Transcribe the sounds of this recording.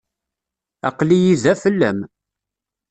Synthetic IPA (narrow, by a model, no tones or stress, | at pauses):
ɑ̰qlijiðæfəlːæ̰m